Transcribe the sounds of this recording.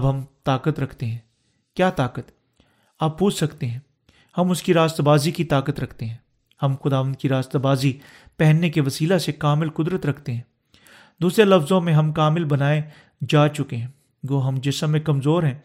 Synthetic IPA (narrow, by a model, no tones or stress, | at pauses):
bɦɐmt̪aːkət̪ɾɐkʰt̪eɦɛ̃ː | kjaːt̪aːkət̪ | aːpːuːt͡ʃʰsɐkt̪eɦɛ̃ː | hɐmʊskiɾaːst̪abaːzikit̪aːkət̪ɾɐkʰt̪eɦɛ̃ː | hɐmxʊd̪aːʋə̃nd̪̚kiɾaːst̪abaːzi | pɛɦɛnːekeʋɐsiːlasekaːmɪlkʊd̪ɾət̪ɾɐkʰt̪eɦɛ̃ː | d̪uːsɾelɐfzõmẽɦɐmkaːmɪlbɐnaːe | d͡ʒaːt͡ʃʊkeɦɛ̃ː | d͡ʒoːɦɐmd͡ʒɪsəmːẽkɐmzoːɾɦɛ̃ː